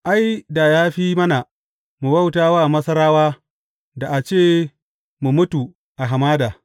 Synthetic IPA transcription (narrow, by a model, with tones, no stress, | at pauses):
ʔa˦jda˨jaː˦ɸiː˦mɐ˦na˨ | mu˨bɐ˦wtaː˦waː˦˨mɐ˦sɐ˦ɾaː˦waː˦ | da˨ʔa˨t͡ʃeː˦˨ | mu˨mʊ˦tu˨ | ʔa˨ɦa˨maː˦daː˨